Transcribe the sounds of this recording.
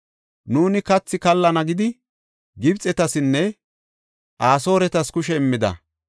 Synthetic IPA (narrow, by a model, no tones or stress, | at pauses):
nuːnɪkɐt͡sːɪkɐlːɐnɐɡɪd̪ɪ | ɡɪbt͡sʼɛt̪ɐsɪnːɛ | ʔaːso̞ːɾɛt̪ɐskʊʃɛɪmːɪd̪ɐ̰